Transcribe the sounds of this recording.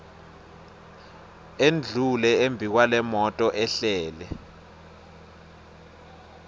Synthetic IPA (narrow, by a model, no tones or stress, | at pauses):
end͡ɮʱulɛembʱik̬walɛmɔtʼɔʔɛɬɛːlɛ